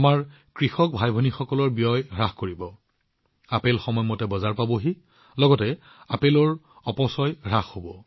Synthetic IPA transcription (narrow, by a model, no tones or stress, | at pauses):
amaɹ | kɹixɔk̚bʱajbʱɔnixɔkɔlɔɹbijɔjɹaxkoɹibɔ | apelxɔmɔjmɔtɛbɔzaɹpaboɦi | lɔɡɔtɛ | apelɔɹ | ɔpɔsɔjɹaxhobɔ